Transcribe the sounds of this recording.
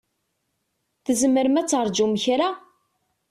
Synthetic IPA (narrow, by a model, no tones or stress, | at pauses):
θəzməɾəmæt͡sːɾˤd͡ʒuməçɾa